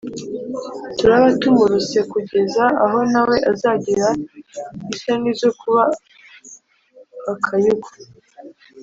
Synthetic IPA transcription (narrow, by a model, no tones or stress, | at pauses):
tuɾaβatumuɾuse̞kuɟe̞zaːɦo̞nawe̞ʔazaːɟiɾa | isanizo̞kuβa | kʰajuɡo̥